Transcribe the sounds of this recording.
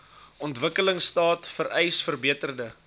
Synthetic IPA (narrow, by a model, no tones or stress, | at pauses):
ʔɔntvəkələŋstɑːtfəɾɛjsfərbiətərdə